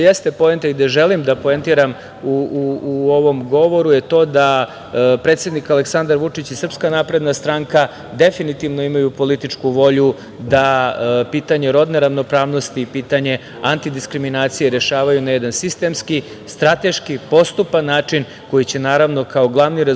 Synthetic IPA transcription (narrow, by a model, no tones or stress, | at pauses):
jest̪e̞po̞ent̪eid̪aʒe̞limd̪apo̞ent̪iɾam | uuuo̞ʋo̞mɡo̞ʋo̞ɾuje̞t̪o̞ːd̪a | pɾet̪sje̞d̪nikaleksand̪aɾʋut͡ʂit͡ɕisr̩pskanaːpɾe̞d̪nast̪ɾaŋka | d̪e̞finit̪iʋno̞imajupo̞lit̪it͡ʂkuʋo̞ʎu | d̪apiːt̪aɲe̞ɾo̞d̪neɾaʋno̞pɾaːʋno̞st̪iːpiːt̪aɲe̞ | ant̪id̪iskɾiminaːt̪sijeɾe̞ʃaːʋajunajed̪ansist̪e̞mski | st̪ɾat̪e̞ʃkipo̞st̪upanːaːt͡ʂin | ko̞jit͡ɕe̞naːɾaʋno̞kao̞ɡlˠaʋniɾe